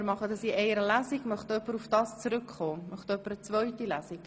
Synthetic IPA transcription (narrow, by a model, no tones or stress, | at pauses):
ɾmɑχəd̪ɑsiʔɛɪɾəlæsiɡmœχt̪œpːəɾufd̥ɑːst͡sɾʏkχoːmœχt̪œpːəɾət͡svœʏtilæːsik